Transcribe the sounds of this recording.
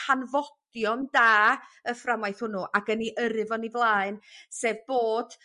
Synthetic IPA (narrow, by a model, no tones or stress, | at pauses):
hanvɔd̥jɔndaːəframajθhʊnʊʔaɡəniʔəɾɨvɔnivlˠaːɨnseːvboːd̥